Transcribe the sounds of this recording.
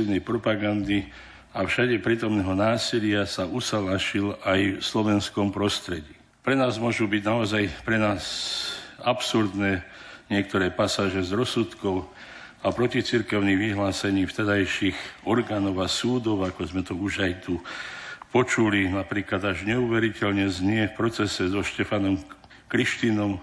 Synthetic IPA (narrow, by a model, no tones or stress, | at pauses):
inɛjpɾɔpaɡand̪i | afʃaɟɛpɾiːt̪ɔmnɛːɦɔnaːsilɪasaʔusalaʃilajslɔʋɛnskɔmpɾɔst̪ɾɛɟiː | pɾɛnaːzmʊɔʒuːbiɟnaɔzajpɾɛnaːs | apsuɾd̪nɛːɲɪɛkt̪ɔɾɛːpasaːʒɛzɾɔsut̪kɔʊ | apɾɔcit͡siɾkɛʊniɣʋiɦlaːsɛɲiːft̪ɛd̪ajʃiɣɔɾɡaːnɔʊasuːd̪ɔʊakɔzmɛt̪ɔuʒajt̪u | pɔt͡ʃulinapɾiːklad̪aʒɲɛuːʋɛɾicɛlɲɛzɲɪɛfpɾɔt͡sɛsɛzɔʃcɛfanɔm | kɾiʃt̪inɔm